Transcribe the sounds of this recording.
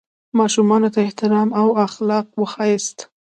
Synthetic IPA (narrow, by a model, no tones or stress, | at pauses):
mɑʃumɑnot̪aɪht̪ɪɾɑmawaxlɑq̚wəxɑjɪst̪